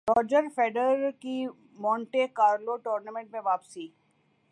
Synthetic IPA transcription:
ɾɔːd͡ʒəɾfeːɖəɾki | mɔ̃ːɳʈekaːɾloʈɔːɾnəmɛ̃ɳʈmẽʋaːpsiː

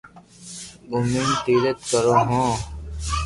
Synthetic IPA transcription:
ʊmint̪iːɾət̪kəɾõːɦõː

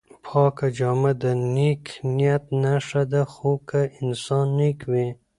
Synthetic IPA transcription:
pʰɑːkad͡ʒɑːmad̪anikʰnijat̪naʂad̪axokʰaɪnsɑːnːikʰwe

